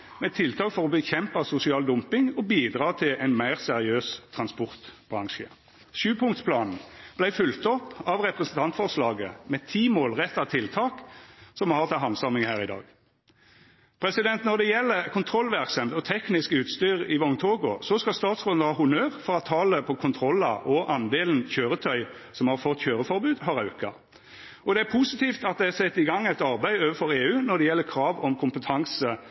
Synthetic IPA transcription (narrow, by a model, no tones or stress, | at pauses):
mɛt̪ʰɪlt̪ʰɑːkfɔʁɔbəçɛmpɑsʊsɪɑːld̪ʊmpɪŋɔbiːd̪ʁɑːt̪ʰɪlæɪnmæɪʁsɛʁɪøːst̪ʰʁɑnspɔʁt̪bʁɑŋʃə̰ | ʃʉːpʰʊŋt̪spʰlɑːnn̩b̥læɪfʏlt̪ɔpːɑʋʁɛpʁɛsn̩t̪ʰɑnt̪fɔʁslɑːɡəmɛt̪ʰiːmoːlʁɛt̪ːɑt̪ʰɪlt̪ʰɑːksɔmhɑːʁt̪ʰɪlɦɑnsɑmɪŋhæːʁɪd̪ɑ̰ːɡ | pʰɾɛsɪd̪ɛnt̪nɔʁd̪ɛjɛlːəkʰʊnt̪ʰɾɔlːʋæʁksɑmt̪ɔt̪ʰɛknɪskʉːt̪st̪yːʁɪʋɔʊŋt̪ʰoːɡʊsɔskɑst̪ɑːt̪sfoːd̪nəhɑːhʊnøːʁfɔʁɑt̪ʰɑːləpʰɔkʰʊnt̪ʰɾɔlːɑ̰ʔɔʔɑnd̪eːln̩çøːɾət̪ʰœʏ | sɔmhɑɾfɔt̪ːçøːɾəfɔɾbʉːd̪hɑɾɑʉkɑ̰ | ɔd̪ɛæɾpʰusɪt̪iːft̪ɑt̪̚d̪ɛæsɛt̪ːɪɡɑŋːɛɪt̪ɑɾbæɪoːʋəfɔɾeːʉːnɔʁd̪ɛjɛlːəkʰɾɑːʋɔmkʰʊmpət̪ʰɑŋsə